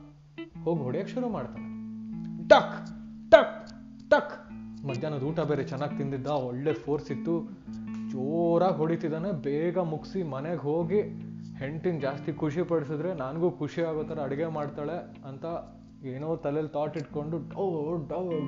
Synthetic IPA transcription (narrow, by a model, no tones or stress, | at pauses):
ho̞ːɡiɦoɽjekʃuɾumaːɽt̪aːɽe | ʈɐkʈɐk | ʈɐkmɐd̪ʱjaːnɐd̪uːʈɐbeːɾet͡ʃɛnːaːɡ̚t̪ind̪id̪ːaɔɭːepʰoːɾsit̪ːu | d͡ʒoːɾaːɡɦoɽit̪id̪aːne̞beːɡɐmuksimɐneɡɦoːɡihe̞ɳʈind͡ʒaːst̪ikʰuʂipɐɽsid̪ɾe̞naːnɡuːkʰuʂiaːɡoːt̪ɐɾeɐɽiɡemaːɽt̪aːɭe̞ | ɐnt̪ɐ | eːnoːt̪ɐlelt̪aːʈiʈko̞ɳɖuɖɐɖɐʋ